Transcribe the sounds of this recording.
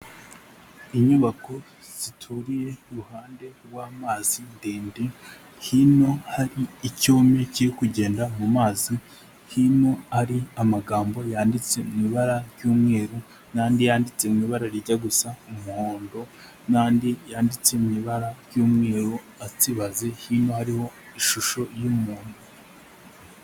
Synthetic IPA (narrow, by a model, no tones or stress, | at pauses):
iɲuβako̞ | z̥itʰuɾije̞uɾuhaːnde̞ɡwaːmaːz̥indeːndi | hino̞haɾiːcoːme̞ciɾikuɟe̞ːndamumaːzi | hino̞aɾiamaɡaːmbo̞jaːndit͡se̞mŋiβaɾaɾjuːmŋe̞ːɾu | naːndijaːndit͡se̞mŋiːβaɾaɾiɟaɡusaumuhoːndo̞ | naːndijaːndit͡se̞miβaɾaɾjuːmŋe̞ːɾu | atiβaze̞hino̞haɾiho̞ | iʃuʃo̞jumuːndo